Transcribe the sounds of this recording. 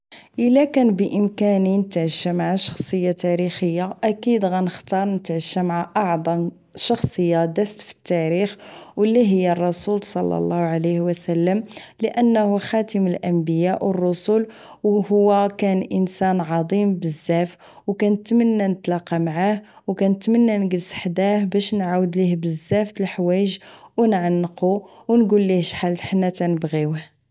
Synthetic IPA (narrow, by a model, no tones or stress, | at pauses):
ʔəlːækænbəʔəmkæninət̪aʕəʃːamaʕaʃɑ̥xsˤəjːat̪æɾixəjːaʔækid̪ɣænəxt̪ɑɾˤnət̪ʕʃːamʕaʔɑʕd̪ˤɑm | ʃɑxsˤəjːad̪æst̪fi̥t̪ːæɾixwəlːiɦəjːarˤːɑsulsˤɑ̰lːɑ̰lˤːɑhʕaləhwəsəlːəmləʔənːhuxæt̪əməlʔəmbəjæʔwərˤːʊsul | whʊwːækænʔənsænʕɑd̪ˤimbəzːæf | wkænət̪mənːænət̪lɑqɑmaʕah | wkænət̪mənːænɡəlsħd̪æhbæʃnʕawəd̪lihbəzːæft̪əlħwæjʒwnʕanːquwnɡulːihʃħalt̪ħnːæt̪ænəbɣiwəh